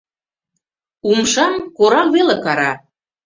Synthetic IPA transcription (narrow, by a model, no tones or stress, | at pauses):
umʃɑmkoɾɑkβelekɑɾɑ̰